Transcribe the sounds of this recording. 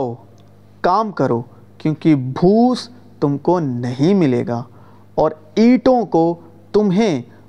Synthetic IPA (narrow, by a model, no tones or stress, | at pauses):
o | kaːmkɐɾo | kjõːkibʱuːs | t̪ʊmkonɐɦĩmɪlḛːɡaː | ɔːɾ | iːʈõko | t̪ʊmɦẽ